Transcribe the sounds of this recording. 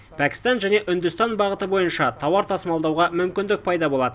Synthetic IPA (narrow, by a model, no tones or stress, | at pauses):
pʰækʲɪ̥st̪ɑnʒæne̞ʔʏnd̪ʏst̪ɑnbɑʁət̪əbo̞jənʃɑt̪ʰɑwɑɾt̪ʰɑsəmɑlˠd̪ɑwʁɑmʏmkʲɪnd̪ɪk̚pʰɑjd̪ɑbo̞lˠɑd̪ə